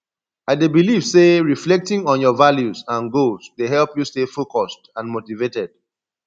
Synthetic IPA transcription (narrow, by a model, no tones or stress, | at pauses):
aɪdebiliv̥seɹiflɛk̚tɪ̃ŋɔ̃njɔvaljuzãnɡosdeɦɛlpjustefokɔstãnmotivetɛd̥̚